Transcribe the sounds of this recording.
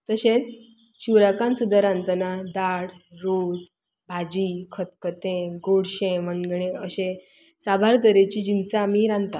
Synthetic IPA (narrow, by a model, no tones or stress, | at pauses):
t̪əɕẽt͡s | t͡ɕuɾakãnsud̪ʱːaɾãnt̪nad̪aɽɾod͡z | bʱad͡ʑikʰət̪̚kət̪ẽɡoɽɕẽmənɡɽẽəɕẽ | sabʱaɾt̪əɾet͡ɕid͡ʑinsaːmiɾãnt̪a